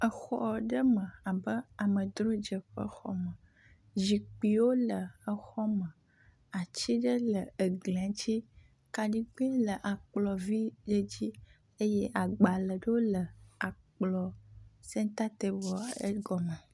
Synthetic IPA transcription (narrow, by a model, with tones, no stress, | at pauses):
ə˨xɔ̰˦ɖə˦mə̃˨a˨bə˦a˨mə˨d̪ɾo˦d͡ʒə˨ɸə̰˦xɔ̰˦mə˨ | d͡ʑi˨k͡pi˨wo˦lə˨ə˦xɔ˦mə̃˨ | a˨t͡ɕi˦ɖə˦lə˨ə˨ɡlɛ̃˨˦t͡ɕi˦ | ka˨ɖi˦k͡pĩ˦lə˨ʔa˨k͡plɔ˨vi˦ɖə˦d͡ʑi˦ | e˦je˦ʔa˨ɡ͡ba˨lə˨ɖə˦wo˦lə˨a˨k͡plɔ˨sɛ̃˦t̪a˦t̪e˦bɔ˨ḛ˦ɡɔ˨mə˨